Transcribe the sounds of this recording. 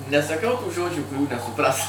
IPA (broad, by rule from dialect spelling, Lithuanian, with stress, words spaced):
nʲɛsɐˈkɐʊ tuː ˈʒoːd͡ʒʲuː kʊˈrʲuː nʲɛsʊˈprɐs